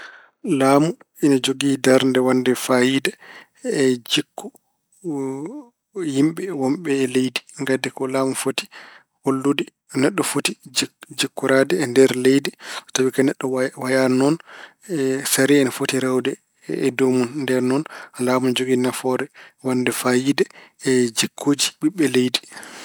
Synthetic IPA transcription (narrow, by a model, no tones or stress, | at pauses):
laːmu | inad͡ʒoɡidaɾndɛwandɛfajida | ɛd͡ʒikːu | jimɓɛwɔmɓɛːlejdiŋɡadɛkɔlaːmufoti̥ | holːudi | nɛɗːɔfotid͡ʒd͡ʒikːuɾadɛːndɛɾlejditawikanɛɗːɔwajanɔn | saɾiɛnafotiɾɛwdɛ | ɛdomunndɛɾnɔnalaːmund͡ʒoɡinafɔɾɛwandɛfajidɛɛd͡ʒikʰːoːd͡ʒiɓiɓːɛlejdi